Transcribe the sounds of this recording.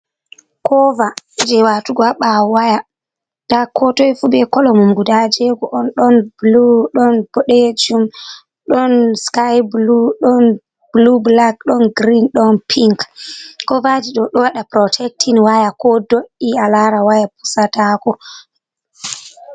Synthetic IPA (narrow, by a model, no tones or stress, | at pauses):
kɔva | d͡ʒɛwatuɡaɓawaja | d̥akʰɔtɔjfubɛkɔlɔmumɡudad͡ʒɛɡɔʔɔnɗɔnbluɗɔnbɔɗɛd͡ʒum | ɗɔnskajbluɗɔn | blublak̚ɗɔnɡɾinɗɔnpʰiŋkkɔvad͡ʒiɗɔɗɔwaɗapɾɔtʰɛk̚tʰinwajakɔdoʔialaɾawajapu̥satakɔ